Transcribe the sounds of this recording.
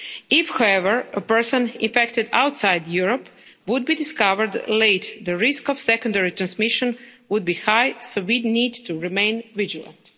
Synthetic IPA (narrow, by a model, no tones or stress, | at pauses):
ɪfhawɛʋəɹəpɛɹsɔ̃nḭ̃nfɛkt̪ɪd̪a̰wt̪sajd̪juɹɔp | ʋʊd̪̚bid̪iskaʋəɹd̪leɪt̪d̪əɾiskɔfsɛkɔ̃ndɛɹit̪ɾãnsmiʃɔ̃nʋʊd̪̚biːxajsoʋiniːd̪t̪uɹimẽj̃nʋid͡ʒilˠə̰̃nt̪